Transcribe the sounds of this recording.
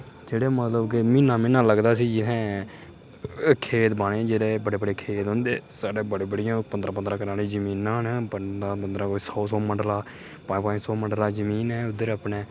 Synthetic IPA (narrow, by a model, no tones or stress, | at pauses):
d͡ʒeːɽeːmət̪ləbkɪmɪ̃ːnãːmɪ̃ːnãːləɡd̪aːs̬iːd͡ʒɪt̪ʰɛ̃ː | kʰeːt̪baːɽ̃ẽːd͡ʒeːɽeːbəɽeːbəɽeːkʰeːt̪ɦõːnd̪eːsaːɖeːbəɽeːbəɽɪjãːpənd̪ɾãːp̬ənd̪ɾãːkəɾaːliːd͡ʒəmiːnãːɦnpəãːpənd̪ɾãːkoisɔːsɔːməɳɖlaː | pãːĩpãːsɔːməɳɖlaːd͡ʒəmiːnɛːʊd̪əɾəpneː